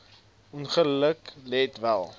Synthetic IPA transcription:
ɔnχələklɛtvælˠ

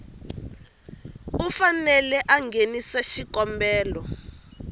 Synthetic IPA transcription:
ufanɛlɛʔaŋɡenisaʃikɔmbɛːlɔ

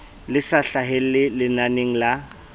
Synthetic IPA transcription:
lɪsaɬaɦɪllɪlɪnaneŋ̩la

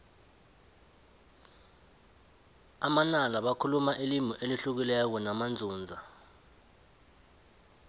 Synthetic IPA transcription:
amanalaɓakʰulumaʔilimuʔeliɬuk̬ilɛk̬ɔnamand͡zʱuːnd͡zʱa

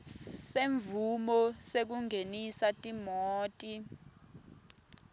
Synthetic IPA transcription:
seɱvumɔsek̬uŋʱenisatʼimoːtʼi

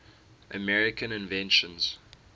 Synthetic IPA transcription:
ʔəmɛɹɪkʰə̃nɪ̃nvɛ̃nʃə̃nz̥

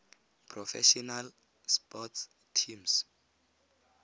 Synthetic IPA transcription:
pʰrɔfɛ̰ʃɔnal | spɔts | tʰims

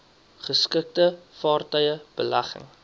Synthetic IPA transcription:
χəskək̚təfɑːrtœjəb̥əlɐχə̰ŋ

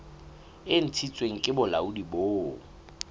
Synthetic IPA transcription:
ɪn̩tʰit͡sʼweŋ̩kʼɪbʊla̰ʊdiboːŋ̩

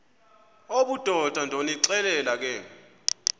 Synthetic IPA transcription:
oɓud̥ʱɔd̥ʱandʱoniǀɛlɛlak̬ɛː

